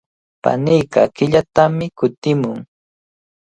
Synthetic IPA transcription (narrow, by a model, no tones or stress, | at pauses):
pa̰nɪjkɑ̰kɪʎat̪amɪkʊt̪ɪmʊŋ